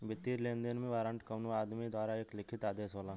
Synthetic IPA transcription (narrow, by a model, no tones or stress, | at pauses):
bɪt̪ːiːɾlẽːnd̪enmẽʋaːɾə̃ɳʈkɐnuaːd̪mid̪waːɾaeːklɪkʰɪt̪aːd̪eːsɦoːlãː